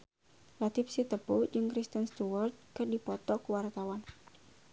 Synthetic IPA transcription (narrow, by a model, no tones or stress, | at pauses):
lat̪ɪfsit̪əpud͡ʒɨŋkɾist̪ənst̪uwart̪̚kɨrdipɔt̪ɔkuwart̪awan